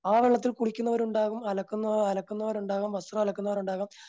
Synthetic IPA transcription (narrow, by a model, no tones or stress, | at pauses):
aːʋeɭːɐt̪̬ːilkuɽikʲːunːɐʋɐɾuɳɖaːɣumɐlɐkːunːɐɐlɐkːunːɐʋɐɾuɳɖaːɣɐmʋɐsrɐmɐlɐkːunːɐʋɐɾuɳɖaːɣɐm